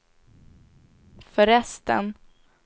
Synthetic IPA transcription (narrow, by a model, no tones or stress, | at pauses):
fœɾɛst̪ə̰n